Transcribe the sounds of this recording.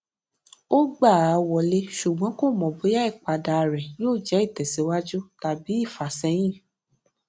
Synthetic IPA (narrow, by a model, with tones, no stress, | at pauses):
o˦ɡ͡ba˦˨a˨wɔ˧le˦ʃu˨ɡ͡bɔ̃˨˦ko˦˨mɔ̃˨bo˨˦ja˦i˦˨k͡pa˧da˨ɾɛ̃˨joː˦˨d͡ʒɛ˨˦i˦˨tɛ˨si˨˦wa˦d͡ʒu˦ta˨bi˨˦i˦˨fa˨sɛ˧˦j̃ĩ˦˨